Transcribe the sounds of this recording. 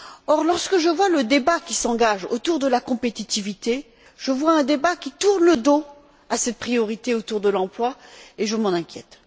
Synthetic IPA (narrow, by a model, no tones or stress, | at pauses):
ɔʁlɔʁskəʒəvwaləd̪ebakʲisɑ̃ɡaʒo̰t̪uʁd̪əlakɔ̃pet̪it̪ivit̪e | ʒ̥əvwaɛ̃d̪ebakʲit̪uʁnləd̪o | asɛt̪̚pχijɔʁit̪eot̪uʁd̪əlɑ̃plwaeʒəmɑ̃nɛ̃kʲjɛ̰t̪